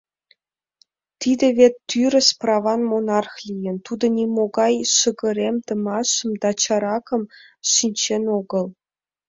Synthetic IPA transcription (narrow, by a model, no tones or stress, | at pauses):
t̪id̪ʲĕvʲet̪ːyɾʲə̆sprɑvɑnmonɑrxlʲijə̆nt̪ud̪ɤ̆nʲimoɡɑjʃɤ̆ɡɤ̆ɾʲemt̪ɤ̆mɑʃə̆md̪ɑt͡ɕɑɾɑkɤ̆m | ʃinʲt͡ɕenoɡɤ̆lˠ